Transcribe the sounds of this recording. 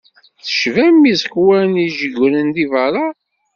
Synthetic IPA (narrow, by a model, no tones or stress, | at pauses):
θə̥ʃvæmːizəkwæniʒəɡənənd̪ivəɾˤɑ